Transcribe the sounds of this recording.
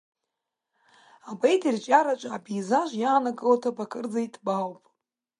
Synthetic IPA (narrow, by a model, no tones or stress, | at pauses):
abejtʰʼirt͡ʃʼaɾat͡ʃʷʼaːbijzaʒʷjaːnakʼɨlatʰapʰakʰʼɨrd͡zaitʰʼbawpʼ